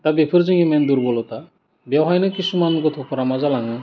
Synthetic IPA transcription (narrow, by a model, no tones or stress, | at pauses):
t̪abepʰɯɾzɯŋimɛnd̪uɾbɔlɔt̪a | bjawɦajnɯkisumanɡɔt̪ʰɔpʰɔɾamazalaŋɯ